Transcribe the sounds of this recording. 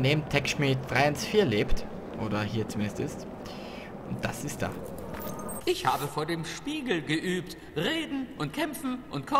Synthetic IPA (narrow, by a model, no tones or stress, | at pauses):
neːmntʰɛkʃmit̚d̥ʁaɪɪnsfiːɐleːpt | ʔoːdɐɦiːɐt͡sumɪndəstɪst | ʔʊnt̚d̥asɪst̚d̥a̰ː | ʔɪçhaːbəfoːɐdeːmʃpiːɡl̩ɡəʔyːpt | ʁeːdn̩ʔʊntkʰɛmfn̩ʔʊntkʰɔ